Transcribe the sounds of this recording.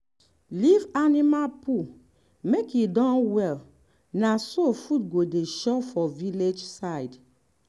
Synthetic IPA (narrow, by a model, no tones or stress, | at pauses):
livanimalpʰu | mekidɔ̃nwɛl | nasofut̚ɡodeʃɔfɔviled͡ʒsaɪd